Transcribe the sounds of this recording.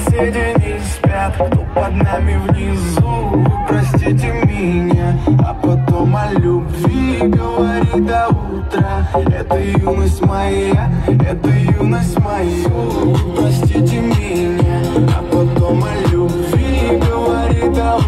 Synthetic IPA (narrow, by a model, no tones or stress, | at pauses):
sʲedʲɪnʲɪ | sʲpʲat̪opɐd̪namʲɪvnʲɪzuɨpɾɐsʲtʲitʲɪmʲɪnʲaɐ̰pɐt̪omɐlʲubvʲiɡəvɐɾʲid̪ɐu | t̪ɾəɛt̪əjunəsʲtʲmɐjaɛt̪əjunəsʲtʲmɐju | pɾɐsʲtʲitʲɪmʲɪ | nʲa | ɐ̰pɐt̪omɐlʲubvʲiɡəvɐɾʲid̪ɐ